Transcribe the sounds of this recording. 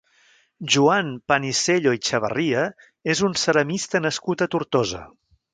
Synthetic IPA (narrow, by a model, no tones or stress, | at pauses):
ʒuanpəniseʎoit͡ʃəβ̞ə̰riə | ezunsəɾəmist̪ənəskut̪ət̪uɾt̪ozə̰